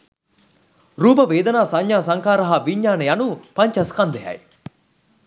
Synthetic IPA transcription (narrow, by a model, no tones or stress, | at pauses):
ɾuːpəʋeːd̪ɐnaːsɐɲːaːsɐŋkaːɾɐɦaːʋiɲːaːnəjanupɐɲt͡ʃɐskɐnd̪eɦɐ̰j